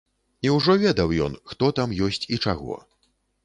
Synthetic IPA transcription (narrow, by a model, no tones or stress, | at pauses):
iwʐɔvʲɛd̪ɐwjɔ̰nxt̪ɔt̪amjɔsʲt͡sʲit͡ʂaɣɔ̰